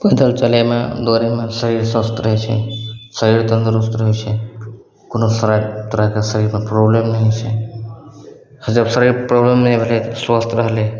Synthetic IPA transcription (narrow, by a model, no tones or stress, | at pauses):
bəd̪əlt͡ʃɐlemã̰d̪oːɾemasəɾiːɾsɐst̪ɾɐɦet͡ʃʰḛsəɾiːɾt̪ənd̪ɾust̪ɾəɦet͡ʃʰe | konosɐɾat̪ɾakasəɾiːɾmãpɾoblemnaɦit͡ʃʰe | həd͡ʒɐbsəɾiɾpɾoblemnɦibʱəlesʋast̪ɾɐɦle